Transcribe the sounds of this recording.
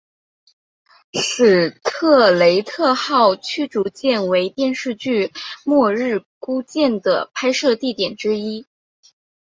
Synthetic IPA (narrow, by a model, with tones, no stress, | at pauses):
ʂɻ̩˨˩t̪ʰɤ˥˩le˧˥ɪt̪ʰɤ˥˧xɑ˥˩ʊt͡ɕʰy˥ʈ͡ʂu˧˥t͡ɕjɛ˥˩nwe˧˥ɪt̪jɛ˥˧nʂɻ̩˥˧t͡ɕy˥˩mwɔ˥˧ɻɻ̩˥˩ku˥t͡ɕjɛ˥˩nd̪ə̰˩pʰa˥ɪʂɤ˥˧t̪i˥˩t̪jɛ˨˩nʈ͡ʂɻ̩˥i˥